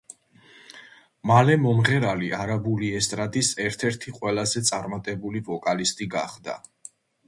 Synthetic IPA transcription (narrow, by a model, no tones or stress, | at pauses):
malɛmɔmʁɛɾaliaɾabuliɛst̪ʼɾad̪isɛɾt̪ʰɛɾt̪ʰiqʼwɛlazɛt̪sʼaɾmat̪ʼɛbulivɔkʼalist̪ʼiɡa̰χd̪a̰